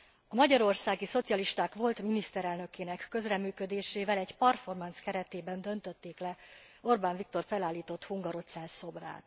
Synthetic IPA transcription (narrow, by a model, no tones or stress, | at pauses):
ɒmɒɟɒɾo̞rsaːɡiso̞t̪sijɒliʃt̪aːkʋo̞lt̪minist̪ɛɾɛlnø̞keːnɛkːø̞zrɛmːyːkød̪eːʃeːvɛlɛɟpɒrfo̞rmɒnskɛɾɛt̪eːbɛnd̪ø̞nt̪ø̞t̪ːeːklɛo̞rbaːɱvik̚t̪o̞rfɛlaːlːiːt̪o̞t̪huŋɡɒɾo̞t̪sɛlso̞bra̰ːt̪